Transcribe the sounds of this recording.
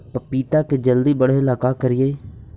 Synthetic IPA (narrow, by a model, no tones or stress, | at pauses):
pəpiːt̪aːked͡ʒəld̪iːbəɽeːɪlaːkaːkəɾɪjeː